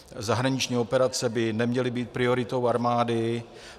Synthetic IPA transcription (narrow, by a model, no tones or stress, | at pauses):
zaɦɾaɲɪt͡ʃɲiːopɛɾat͡sɛbɪnɛmɲɛlɪbiːt̪̚pɾɪoɾɪt̪owaɾmaːdɪ